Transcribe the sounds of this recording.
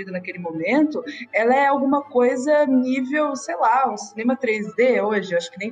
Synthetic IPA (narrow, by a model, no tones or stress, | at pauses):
id̪ɐnɐkelɪmõmẽnt̪ʊɛlɐɛawɡũmɐkojzɐnivewsejlaʊsinẽmɐt̪ɾezd̪eoʒɪewaʃʊ̥kɪnẽj̃